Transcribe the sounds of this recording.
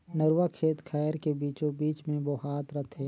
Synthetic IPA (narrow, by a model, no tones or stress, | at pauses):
nəɾwakʰeːt̪kʰaːəɾkebiːt͡ʃõbiːt͡ʃmẽʋoɦaːt̪ɾət̪ʰeː